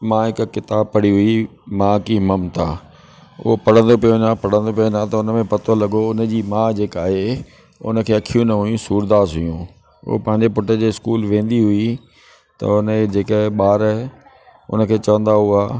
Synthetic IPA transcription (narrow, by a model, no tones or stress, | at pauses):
mãːɦɪkkɪt̪aːb̚pɐɽiɦʊimãːkiməmt̪ʰaː | ʊ̰ɦopɐɽ̤ə̃nd̪opijonãpɐɽ̤ə̃nd̪op̬ijonãt̪ɐʊnəmẽpɐt̪olɐɡoʊnə̆d͡ʑiːmãːd͡ʑeːkaːɦe | ʊ̰nə̆kʰeːɐkʰijũnɐɦʊjũsuːɾd̪aːsɦʊjũ | ʊ̰pɐ̃ɦɪ̃ɲd͡ʑepʊʈəd͡ʑeːɪskuːlʋẽːnd̪iɦʊi | t̪ɐ̰ʊnəd͡ʑeːkəɦɪɓaːɾəɦ | ʊ̰nə̆kʰeːt͡ɕɐʋə̃nd̪aɦʊaː